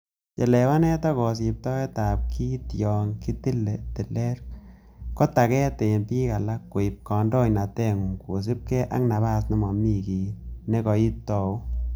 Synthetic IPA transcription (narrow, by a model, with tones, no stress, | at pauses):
je˨le˨wa˦nɛ˦tɔ˦kɔ˨s̬i˨p̚tɔ˦ɛ˦ta˨p̚kʰi˦tjɔ˨ŋki˦ti˦le˨ti˨le˦ɾ | ko˦ta˨kɛ˦te˨npi˦ka˨la˦kːo˨ɪ˨p̚kɔ˨ndɔ˦ɲna˨tɛ˦ŋu˨ŋko˨s̬i˦p̚ke˦ʔa̰˦ŋna˨ba˦˨snɪ˦mɔ˨mi˦˨ki˨ne˦kɔ˨i˦p̚tɔ˦u˦